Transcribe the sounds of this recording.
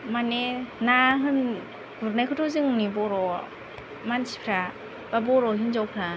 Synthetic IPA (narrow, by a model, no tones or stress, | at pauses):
manenaɦɯn | ɡuɾnajkʰɯtʰɔzɯŋnibɔɾɔ | mansipʰɾa | b̥abɔɾɔɦinzawpʰɾa